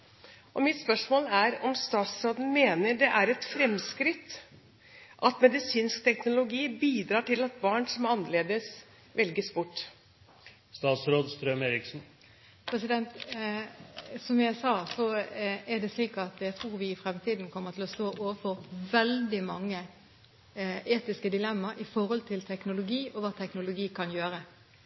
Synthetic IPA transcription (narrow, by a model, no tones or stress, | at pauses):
ʔɔmɪt̪spœʂmoːlæɾɔmst̪ɑːt̪sɾoːd̪n̩meːnəɖɛʔæɾɛt̪fɾɛmskɾɪt̪ː | ʔɑt̪mɛd̪ɪsiːnsk̚t̪ʰɛknʊlʊɡiːbiːd̪ɾɑːʈɪlɑt̪̚bɑːɳsɔmɑnːəleːd̪əs | ʋɛlɡəsbʊʈː | st̪ɑːt̪sɾoːd̪st̪ɾœmeːɾɪksn̩ | pʰɾɛsɪd̪ɛnt̪ | sɔmjæɪsɑːsɔɛɖ̪ɛsliːkəɑt̪jæɪt̪ʰɾuːɾʋɪɪfɾɛmt̪ʰiːd̪n̩kʰɔmːət̪ʰɪlɔst̪oːʔoːʋəfɔʁʋɛld̪ɪmɑŋːə | ʔeːt̪ɪskəd̪ɪlɛmːɑɾɪfɔɾhɔlt̪ʰɪlt̪ʰɛknʊlʊɡiːʔɔʋɑːt̪ʰɛknʊlʊɡiːkʰɑnjøːɾə